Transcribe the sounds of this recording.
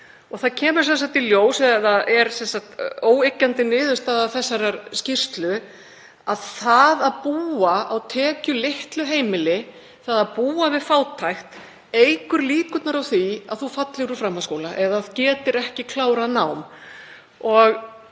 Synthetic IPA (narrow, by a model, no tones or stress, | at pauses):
ɔɣθaðcʰɛːmʏɾ̥sɛnsaht̪iljoːwsɛðaðɛɾsɛnsaht̪oːwejcːant̪ɪnɪːðʏst̪aːðaθɛsːaɾaɾscɪr̥st̪lʏ | aðθaðaðpuːaawt̪ʰɛːcʏlɪht̪lʏɦeːjmɪlɪ | θaðaðpuːavɪðfaːwt̪ʰajxt̪ | ejkʏɾliːkʏt̪naɾawθia̰ðθufat̪lɪɾufɾamhaskoːwlaʔɛðaðcɛːt̪ɪɾɛhcɪkʰlaːwɾaðnawm | ɔɣ